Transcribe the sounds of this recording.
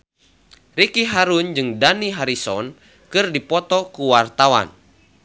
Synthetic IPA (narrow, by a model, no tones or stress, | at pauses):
rikiɦaɾund͡ʒɨŋdaniɦaɾisɔn | kɨrdipɔt̪ɔkuwart̪awa̰n